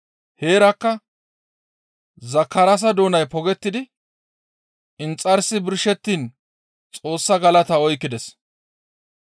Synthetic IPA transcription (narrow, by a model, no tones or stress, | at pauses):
he̞ːɾɐkːɐ | zɐkːɐɾɐs̬ɐd̪o̞ːnɐjpɔɡɛt̪ːɪd̪ɪ | ɪnt͡sʼːɐɾsɪbɪɾʃɛt̪ːiːn | t͡sʼo̞ːsːɐɡɐlɐt̪ɐɔjkːɪd̪ɛs